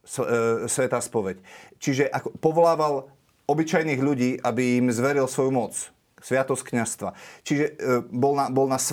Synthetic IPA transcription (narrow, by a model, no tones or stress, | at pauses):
ssʋɛt̪aːspɔʋɛct͡ʃiʒɛʔakɔpɔʋɔlaːʋal | ɔbit͡ʃajniːɣʎuɟiːʔabijimzʋɛɾilsʋɔjumɔt͡s | sʋɪat̪ɔsckɲast̪ʋat͡ʃiʒɛbɔlnabɔlnas